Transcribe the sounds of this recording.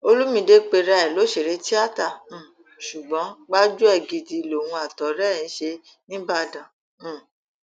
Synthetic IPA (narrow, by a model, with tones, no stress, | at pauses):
o˧lu˦mĩ˧de˦k͡pe˧ɾa˧ɛ˨lo˨˦ʃe˨ɾe˨˦ti˦a˦˨tã˦˨ | ʃu˨ɡ͡bɔ̃˨˦ɡ͡ba˦d͡ʒu˦ɛ˦˨ɡi˧di˨˧˨lo˨wũ˧a˨tɔ˨ɾɛ˦˨ĩ˨˦ʃe˧ | nĩ˦ba˧dã˨˦˨